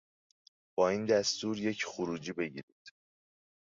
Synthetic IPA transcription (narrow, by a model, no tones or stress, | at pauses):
b̥ɒːiːnd̪æst̪uːɾje̞cʰxoɾuːd͡ʒiːbe̞ɟḭɾid̪̥